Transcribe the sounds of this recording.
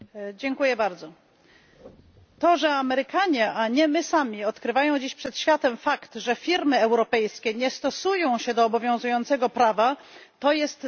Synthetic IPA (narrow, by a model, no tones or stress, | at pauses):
d͡ʑɛŋkujɛbaɾd̪zɔ | t̪ɔʐɛamɛɾɘkaɲɛʔaɲɛmɘsamʲiɔt̪kɾɘvajɔ̃w̃d͡ʑiɕpʂɛt̪ɕfʲjat̪ɛmfakt̪ʐɛfʲiɾmɘɛwɾɔpɛjskʲɛɲɛst̪ɔsujɔ̃w̃ɕɛd̪ɔːbɔvʲjɔ̃w̃zujɔnt̪sɛɡɔpɾavat̪ɔjɛst̪